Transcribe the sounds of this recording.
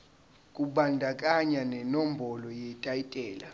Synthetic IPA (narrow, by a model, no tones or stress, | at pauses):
kʼuɓandʱakʼaɲanɛnɔmbʱɔlɔjɛtʼaitʼɛːla